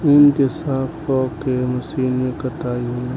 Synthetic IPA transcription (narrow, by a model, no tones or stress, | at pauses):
ɪnt̪ɪsaːbkɔːkemɐsiːnmẽkət̪aːiɦo